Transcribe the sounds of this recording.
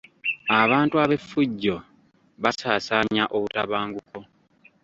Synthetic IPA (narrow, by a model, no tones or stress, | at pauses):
aβaːntuaβe̞fːuɟːo̞ | βasaːsaːɲaʔoβutaβaːŋɡuko̞